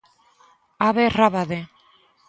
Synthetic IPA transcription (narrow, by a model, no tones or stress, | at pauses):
aβeraβaðe